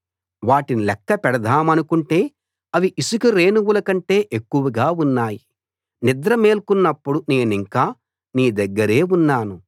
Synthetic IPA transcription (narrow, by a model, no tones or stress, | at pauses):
ʋaːʈinilɛkːɐpɛɽɐd̪ʱaːmɐnukuɳʈe̞ː | ɐʋiʔisukuɾe̞ːnuwulɐkɐɳʈe̞ːʔekːuʋɐɡaːunːaːji | nid̪ɾɐme̞ːlkunːɐpːuɽune̞ːniŋkaː | niːd̪ɐɡːɐɾe̞ːunːaːnu